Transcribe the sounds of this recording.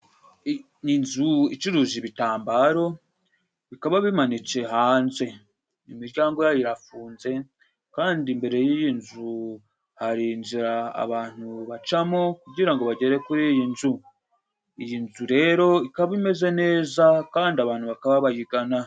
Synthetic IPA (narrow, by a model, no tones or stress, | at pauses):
inzuit͡ʃuɾuʒiβitaːmbaːɾo̞ | βikaβaβimanit͡se̞ɦaːnze̞ | imiɾɟaːŋɡo̞jajiɾafuːnze̞ | kaːndimbe̞ɾe̞jijinzu | haɾinziɾa̰ːβaːn̥huβat͡ʃamo̞kuɟiɾaŋɡo̞βaɟe̞ɾe̞kuɾijinzu | ijinzuɾe̞ɾo̞ikaβaβime̞ze̞ne̞ːzakaːndiaβaːn̥huβakaβaβajiɡana